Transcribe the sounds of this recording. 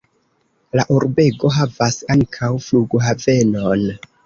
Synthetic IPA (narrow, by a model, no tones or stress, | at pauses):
laʔuɾbe̞ɡo̞ɦavasaŋkʰawfluɡoɦave̞non